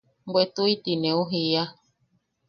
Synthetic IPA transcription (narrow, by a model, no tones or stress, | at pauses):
mbwet̪uit̪inẽuɦia